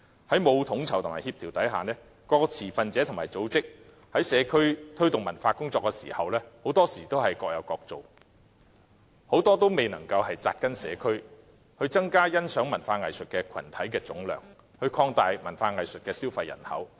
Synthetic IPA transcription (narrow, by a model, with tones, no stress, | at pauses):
hɐ˨˥jmo˨˧wt̪ʰʊ˨˥ŋt͡sʰɐ˨˩wt̪ʰmaː˨˩jhi˧p̚t̪ʰiː˨˩wt̪ɐ˨˥jɦaː˨˩nɛː˥ | kɔː˧kɔ˧t͡sʰiː˨˩fɐ˨˧nt͡sɛː˨˥t̪ʰʊ˨˩maː˨˩jt͡so˨˥wt͡sɪ˥k̚ | hɐ˨˥jsɛː˨˧kʰɵ˥ɥt̪ʰɵ˥ɥt̪ʊ˨ŋmɐ˨˩nfaː˧kʊ˥ŋt͡sɔː˧kːɛː˧sḭː˨˩hɐ˨wlɛː˥ho˨˥wt̪ɔː˥siː˨˩t̪o˥whɐ˨jkɔː˧k̚jɐ˨˧wkɔː˧k̚t͡so˨w | ho˨˥wt̪ɔː˥t̪o˥wme˨jnɐ̰˨˩ŋkɐ˧whɐ˨jt͡sa̰ː˧t̚kɐ˥nsɛ̰ː˨˧kʰɵ˥ɥ | hɵ˧ɥt͡sɐ˥ŋkaː˥jɐ˥nsœː˨˥ŋmɐ˨˩nfaː˧ŋɐ˨jsɵ˨t̚kɛː˧kʰɐ̰˨˩nt̪ʰɐ˨˥jkɛː˧t͡sʊ˨˥ŋlœ̰ː˨ŋ | hɵ˧ɥkʰɔː˧ŋt̪aː˨jmɐ˨˩nfaː˧ŋɐ˨jsɵ˨t̚kɛː˧siː˥wfɐ˧jːɐ̰˨˩nhɐ̰˨˥w